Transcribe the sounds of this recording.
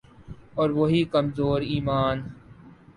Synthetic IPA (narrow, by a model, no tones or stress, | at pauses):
ɔːɾʋoɦikəmzoːɾiːmaːn